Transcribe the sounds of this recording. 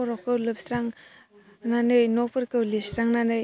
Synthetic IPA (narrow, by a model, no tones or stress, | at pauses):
ɔɾɔkɯwlɯpsɾaŋ | nanɯjnɔpʰɯɾkɯwlistɾaŋnanɯj